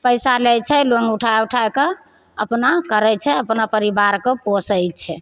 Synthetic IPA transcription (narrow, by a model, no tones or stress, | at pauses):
pəjsalɛt͡ʃʰɛlonuʈʰajuʈʰajke | əpnakəɾɛt͡ʃʰɛəpnapəɾibaɾkeposəjt͡ʃʰɛ